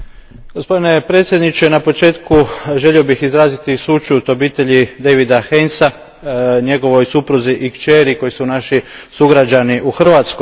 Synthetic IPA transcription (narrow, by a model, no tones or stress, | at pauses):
ɡo̞spo̞d̪ine̞pɾet̪sjed̪nit͡ʃenapo̞t͡ʃe̞ːt̪kuʒe̞lio̞bixizɾaːzit̪isut͡ʃut̪o̞biːt̪e̞ʎid̪eʋid̪axensa | ɲe̞ɡo̞ʋo̞jsupɾuziʔikt͡ʃeːɾiko̞jisunaʃisuɡɾad͡ʒaniʔuxr̩ʋaːt̪sko